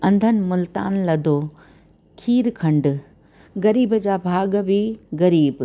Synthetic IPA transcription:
ɐ̃nd̪ʱənɪ̆mʊlt̪a̰ːnlɐd̪ʱoː | kʰiːɾkʰɐ̃ɳɖʊ̆ | ɣɐɾiːbəd͡ʑaːbʱaːɠbɪɣɐɾiːb

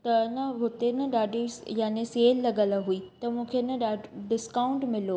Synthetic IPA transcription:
t̪ɐɪnəɦʊt̪enɐɗaːɖʱisjaːneseːlːɐɡəlaɦuit̪ɐmũːkʰeɪnɐaɖɪskaːʊ̃ɳʈmɪlo

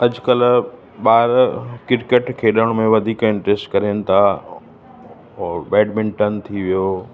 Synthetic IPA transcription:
ɐd͡ʑʊkəl | ɓaːɾkɪɾkeʈkʰeːɗəɽ̃mẽʋɐd̪ʱiːkɪ̃ɳʈeːsʈkɐɾnɪ̆t̪ʰa | bɛːɖmɪ̃ɳʈənt̪ʰiʋijo

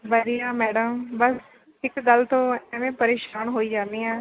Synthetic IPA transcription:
bəɾiaːmɛːɽəmbəs | ɪkɡəlt̪õːɛːʋẽːpəɾeːʃaːnɦoːiːd͡ʒãːnd̪iːɦɛː

